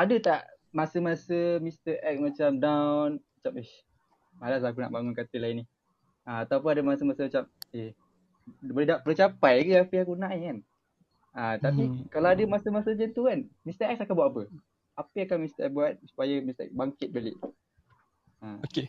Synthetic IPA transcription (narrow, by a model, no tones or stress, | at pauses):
adət̪aʔmasəmasəmĩst̪əɾʔɛk̚mat͡ʃamdawnmat͡ʃame | malas̬akuna̰ʔbaŋʊnkat̪əlaini | aat̪aup̬unadəmasəmasəmat͡ʃame | bolɛɦdaʔpələt͡ʃapajkəapəakunaʔikan | at̪apikalawadəmasəmasəd͡ʒənt̪ukanmist̪əɾɛk̚sakanbuat̪̚apə | apəakanmist̪əʔɛk̚buat̪̚su̥pajəmist̪əʔɛ̰k̚baŋkɪt̪̚bəlɪ̰ʔ | əoke